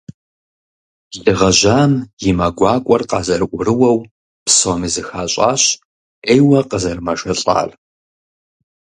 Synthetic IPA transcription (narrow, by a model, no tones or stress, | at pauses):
zɨʁɐʑaːmjɪmaɡʷɑːkʷʼɔrqɑːzɐrɨʔʷʊɾɨwɐw | psomizɨxaːɕʼa̰ːɕ | eːjwɐqʼəzɐrmɐʒɐɬʼa̰ːr